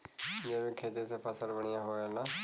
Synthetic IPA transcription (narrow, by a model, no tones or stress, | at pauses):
jeːʋeːkʰeːd̪eːsepʰəsəlbəɳ̃ɪjãːɦoːelaː